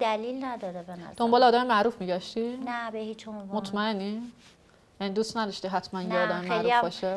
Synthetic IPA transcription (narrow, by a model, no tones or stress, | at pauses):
d̪ælilnæd̪ɒɾebenɔ̰d̪̥o̞mbɒːleɒːd̪æmemæʔɾuːfmiːɟæʃt̪inæbehit͡ʃomvmot̪ʰmæenːi | jænid̪uːst̪næd̪ɒʃt̪iɦæt̪ʰmænjeɒːd̪æmemæɾlufbɒːʃe